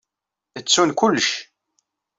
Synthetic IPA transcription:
ət͡sːunkʊlːʃ

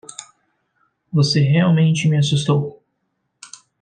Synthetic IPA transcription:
voseɦeawmẽnt͡ʃɪmɪasust̪ow

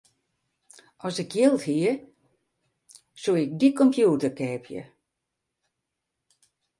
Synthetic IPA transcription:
ɔsɪkʰjɪlˠthiə | suɪk̚dikɔmpʰjuːtərkɛːpʰjə̰

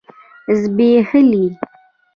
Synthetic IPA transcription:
zbeːhəli

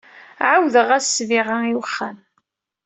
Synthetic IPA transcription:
ʕawðəʁæsːviʁaiwəχːæm

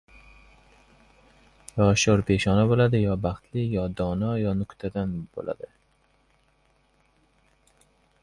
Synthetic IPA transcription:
jɒʃoɾpʰe̞ʃɒnabolad̪ɪjɒbɑχt̪lɪjɒd̪ɒnɒjɒnʊkt̪ʰad̪anb̥o̰lʔa̰d̪ɪ

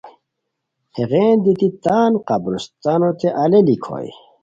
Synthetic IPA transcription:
heɣeːnd̪it̪it̪aːnqabɾust̪anot̪eʔalelikʰo̰j

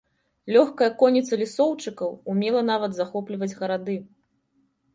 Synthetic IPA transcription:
lʲɔxkɐjɐkɔnʲːit̪sɐlʲisɔwt͡ʂɨkɐwumʲɛlˠɐn̪avɐd̪zaxɔplʲivɐd͡zʲɣɐɾad̪ɨ

